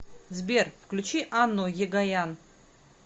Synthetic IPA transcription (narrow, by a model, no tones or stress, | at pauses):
zbʲeɾfklʲut͡ʃiʔanːojeɡajan